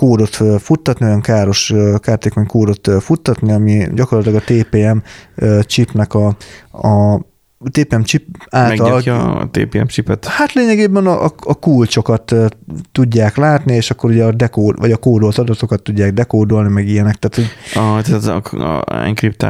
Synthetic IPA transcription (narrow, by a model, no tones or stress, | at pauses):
koːd̪o̞t̪ːfut̪ːɒt̪niojɒŋkaːɾo̞ʃkaːrt̪eːko̞ɲkoːd̪o̞t̪fut̪ːɒt̪niɒmiɟɒko̞rlɒt̪ilɒɡɒt̪eːpeːɛmːt͡ʃipnɛkɒɒ | t̪eːpeːɛmt͡ʃipaːlɛɡ̪ɒl̰t̪ḛːpeːɛ̰mt͡ʃipɛt̪hat̪leːɲɛɡeːbɛnɒʔɒɒkult͡ʃo̞kɒt̪ːt̪uɟːaːklaːt̪nieːʃɒkːo̞ɾuɟɛɒd̪ɛkoːd̪vɒ̰ɟɒkoːd̪o̞lt̪ɒd̪ɒt̪o̞kɒt̪ːuɟːaːɡd̪ɛkoːd̪o̞lnimɛɡijɛnɛk̚t̪aːt̪hoɟɒt̪ːt̪ɛ̰ŋkɾip̚t̪a̰